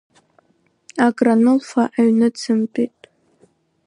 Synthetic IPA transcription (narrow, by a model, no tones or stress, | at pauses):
aɡranɨlfaʔaɥnɨt͡sʰɨmpʼitʼ